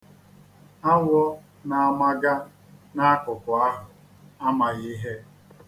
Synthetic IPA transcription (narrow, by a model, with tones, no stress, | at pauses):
a˦ŋʷ˦ɔ˦ | na˨a˨ma˦ɡa˦ | na˦a˦kʊ˨kʊ˨a˦ɦʊ˨ | a˦ma˨ɣi˦ɦe˦